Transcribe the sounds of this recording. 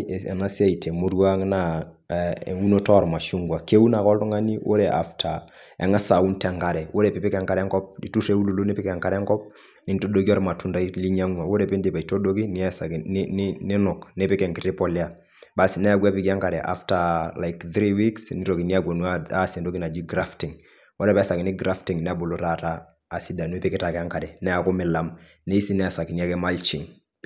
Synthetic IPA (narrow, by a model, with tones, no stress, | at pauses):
ɛ̰˨na˦si˦a˨i˨tʰɛ˨mo˦ɾwa˦ŋna˨ | u˦no˦tɔ˦˨ɾma˨ʃu˦ŋɡwa˨ke˦u˦na˨kɔ˦ltɔ˦ŋa˦ni˦wʔo̰˦ɾe˨ʔa̰˦ftʰa˨ | ɛ̰˨ŋa˦sa˨u˦ntɛ˨ŋɡa˨ɾɛ˨wʔo˦ɾe˨pɪ˨pɪ˦kɛ˨ŋka˦ɾɛ˦ŋkɔ˦p̚i˨tu˦re˦u˦lu˦˨lo˦ne˦pɪ˦kɛ˨ŋka˦ɾɛ˦ŋkɔ˦p̚ | nɪ˨nto˦do˦ki˦ɔ˦ɾma˨tu˦nda˦i˦li˦ɲa˦ŋwa˨wo˦ɾe˨pe˦ndi˨pa˨i˨to˦do˦ki˦ni˨ɛ˦sa˨knnɪnɪ˦nɔ˨kni˦pɪ˦kɛ˨ŋkɪ˨ɾi˦pɔ˨lja | ba˨snɛ˦a˦ɡwɛ˦pi˦ki˦a˦ŋka˨dɛ˨ʔa̰˦fta˨la˨jkθɾi˦wiksni˦ɾo˨ki˨ni˦a˦kwo˨nu˦aasɛ˨ndo˦ki˦na˨d͡ʒi˦ɡɾa˦ftɪ˨ŋ | wɔ˦ɾɛ˦pɛ˦sa˨kɪ˨nɪ˦ɡɾa˦fti˨ŋnɛ˦a˦bo˨lo˦ta˨taː˦˨ | si˦da˨nu˦e˦pɪ˦kɪ˦ta˨kɛ˨a˦ŋka˨dɛ˨nɛ˦a˨kɔ˦mɪ˨la˦m | ne˦i˦si˦nɛ˦˨sa˨ki˨ni˨a˦kɛ˦ma˦lt͡ʃi˨ŋ